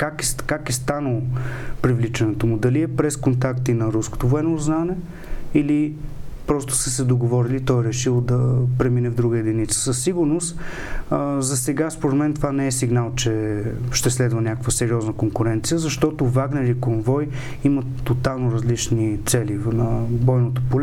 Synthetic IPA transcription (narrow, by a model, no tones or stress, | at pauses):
kakɛskakɛst̪anəlˠopɾivlit͡ʃɐnɛt̪omud̪ɐliɛpɾɛskont̪akt̪inɐɾusko̥t̪ovoɛnoznanɛ | ilipɾɔst̪ʊ̥səsɛd̪oɡovɔɾilit̪ɔjɾɛʃilˠd̪ɐpɾɛminɛvd̪ɾuɡəɛd̪init̪sə̥səsːiɡʊɾnost̪ | zɐsɛɡaspoɾɛt̪mɛnt̪ovanɛɛsiɡnalˠt͡ʃɛʃt̪ɛslɛd̪vənʲakəkvəsɛɾiɔznəkoŋkuɾɛnt̪sijəzɐʃt̪ɔt̪ovaɡnɛɾikonvɔj | imət̪ːot̪alˠnoɾəzlit͡ʃnit̪sɛlinəvɔjnot̪opol